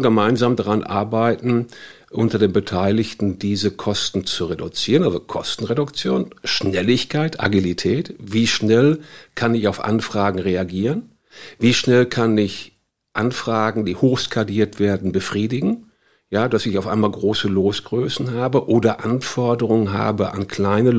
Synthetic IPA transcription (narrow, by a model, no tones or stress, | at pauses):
ɡəmaɪnzaːmdaʁanʔa̰ɐbaɪtn̩ | ʔʊntɐdeːmbətʰaɪlɪçtn̩diːzəkʰɔstn̩t͡suʁedut͡siːʁənʔalzokʰɔstn̩ʁedʊkt͡sjoːnʃnɛlɪçkʰaɪtʰʔa̰ɡilitʰɛːtv̥iːʃnɛlkʰanɪçaʊfʔa̰nfʁ̥aːɡŋ̩ʁeaɡiːʁən | viːʃnɛlkʰanɪç | ʔanfʁ̥aːɡŋ̩diːhoːxskʰadiːɐtv̥eːɐdn̩bəfʁ̥iːdɪɡŋ̩ | jaːd̥asɪçaʊfʔa̰ɪmaːlɡʁoːsəloːsɡ̥ʁøːsn̩ɦaːbəʔoːdɐʔanfɔɐdəʁʊŋənɦa̰ːbəʔa̰nkʰl̥aɪnə